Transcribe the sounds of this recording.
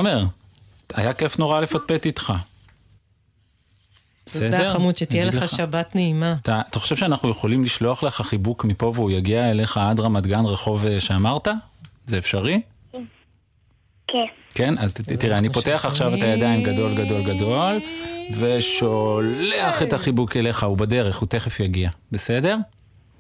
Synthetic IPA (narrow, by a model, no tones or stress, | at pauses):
ome̞ʁ | ajake̞fno̞ʁale̞fat̚pe̞t̪it̪χa | besedeʁamutʃetijeleaʃabat̪neimat̪aːt̪aχo̞ʃevʃeanaχnuje̞χo̞limliʃlo̞aχleχaχibukmipo̞veujaɡiaele̞χaadʁamad̪ɡanʁeχo̞veʃe̞amaʁt̪azeːfʃaʁi | kenkenaztiʁeanipo̞te̞aχaχʃavet̪ajad̪ajimɡado̞lɡado̞lɡado̞lve̞ʃoleaχe̞taχibukele̞χaubade̞ʁeχute̞χefjaɡiabese̞de̞ʁ